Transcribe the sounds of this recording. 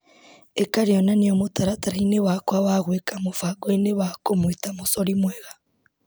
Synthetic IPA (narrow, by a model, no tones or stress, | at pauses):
ekaɾejɔnanejomotaɾataɾainewakwawaɣwekamofaɡoeneβakomwitamosoɾimwɛɣa